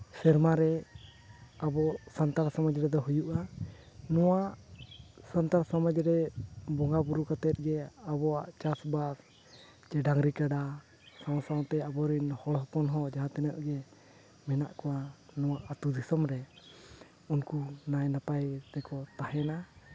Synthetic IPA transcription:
sɛɾmaɾɛ | abɔsant̪aɾsaməd͡ʒɾɛd̪ɔɦujuʔa | nɔwaʔ | sant̪aɾsaməd͡ʒɾɛbɔŋɡabuɾukət̪ɛt̪̚ɡɛabɔaʔt͡ʃasbas | d͡ʒɛɖaŋɾikaɖa | sãwsawt̪ɛabɔɾinhɔɽɦɔpɔnɦɔd͡ʒaɦãt̪ɛnəʔɡɛ | mɛnaʔkɔanɔwaʔat̪ud̪isɔmɾɛ | unkunajnapajt̪ɛkɔt̪aɦɛna

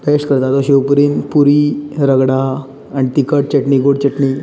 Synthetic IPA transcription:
peʂkəɾt̪at̪oɕewpuɾiːnpuɾiɾəɡɽa | añit̪ikəʈ̚t͡ɕəʈɳiːɡoɽt͡ɕəʈɳi

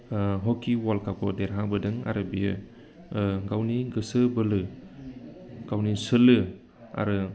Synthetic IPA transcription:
ɦɔkiwalkʰakɔdeɾɦabɯdɯŋa̰ɾɯbijɯ | ɡawniɡɯsɯbɯlɯ | ɡ̥awnisɯlɯ | a̰ɾɯ

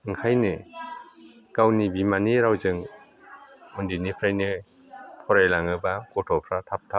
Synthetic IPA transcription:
ɯŋkʰajnɯ | kawnibimaniɾawzɯŋ | ɔndinipʰɾajnɯ | pʰɔɾajlaŋɯbakɔtʰɔpʰɾatʰap̚tʰap̚

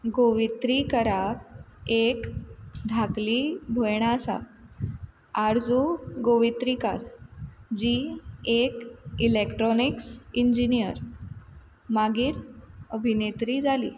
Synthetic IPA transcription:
ɡoʋit̪ɾikəɾak̚ekd̪ʱaklibʱojɽ̃aəsa̰ | aɾd͡zuɡoʋit̪ɾikaɾd͡ʑiːekilekʈɾɔniksiɲd͡ʑinijəɾ | maɡiːɾəbʱinet̪ɾiːd͡zalḭː

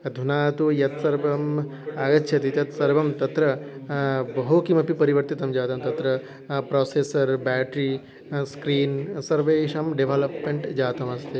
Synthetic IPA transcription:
ɐd̪ʱunaːt̪ujɐt̪sɐɾbɐm | aːɡɐtːʃʰɐt̪it̪ɐt̪sɐɾbɐmt̪ɐt̪ɾɐ | bɐɦoːkimɐpipɐɾiʋɐɾt̪it̪ɐmd͡ʒaːt̪ɐmt̪ɐt̪ɾɐ | pɾoːseːsɐɾbɛːʈɾi | skɾiːnsɐɾʋeːʃɐmɖeʋʱɐlɐpmeɳʈd͡ʒaːt̪ɐmɐst̪e

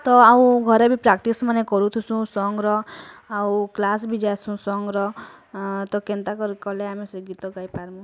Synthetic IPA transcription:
t̪ɔaũɡʱɔɾebʱipɾakʈismanekɔɾut̪ʰusũsɔŋɡɾɔawklasbʱid͡ʒasũsɔŋɡɾɔ | t̪ɔkent̪akɔɾkɔleamesɡit̪ɔkajpaɾmũ

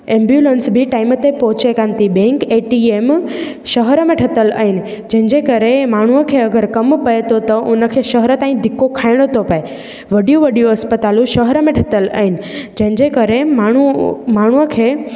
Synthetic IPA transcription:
ẽːmbjuːlensbʱiʈaːɪmət̪epɔɦʊt͡ɕekãːnt̪ibẽŋkeːʈieːm | ʃəɦəɾəmẽʈʰɐt̪əla̰ːɦɪnɪ̆ | d͡ʑɐ̃ɦɪ̃ɲd͡ʑekəɾemaːɳ̤uəkʰeːɐɡəɾkɐmpɐet̪ot̪ɐʔʊnə̆kʰeːʃəɦəɾət̪ãːĩd̪ʱɪkːokʰaːɪɽ̃ət̪opɐe | ʋɐɖijũʋɐɖijũɐspət̪aːlũʃɐɦəɾəmẽʈʰɐt̪əla̰ːɦɪnɪ̆d͡ʑɐ̃ɦɪ̃ɲd͡ʑekɐɾemaɳ̤umaːɳ̤uəkʰeː

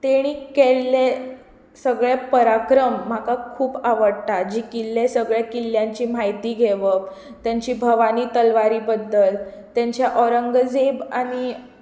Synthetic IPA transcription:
t̪eɽ̃iːkkelːe | səɡɭepəɾakɾəm̤ːakakʰuːpaʋəɽtad͡ʑiːkilːesəɡɭjakilːjãɲt͡ɕiːm̤ajt̪iːɡʱeʋək | t̪jaɲt͡ɕiːbʱəʋaniːt̪əlʋaɾiːbəd̪ːəlt̪jaɲt͡ɕjaʔɔɾəŋɡəd͡zebañi

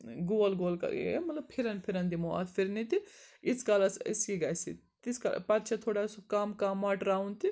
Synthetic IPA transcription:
ɡoɐlɡolkɐ̰ḛmɐt̪lɐbpʰiɾɐnpʰiɾɐnt̪imoa̰t̪pʰiɾnit̪i | iskalɐsḭskiɡajsḭ | t̪iska̰pat̪t͡ʃʰɐt̪ʰoːɽasukaːmkaːmːaʈɾaːunt̪i

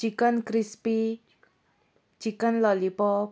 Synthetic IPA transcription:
ikɔnkɾispi | t͡ʃikɔnlɔlipɔ

